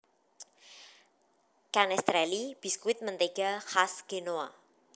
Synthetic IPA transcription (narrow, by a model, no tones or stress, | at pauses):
kanɛst̪ɾɛlib̥i̤skuwɪt̪̚mənt̪eɡ̥a̤xasɡ̥enoa̰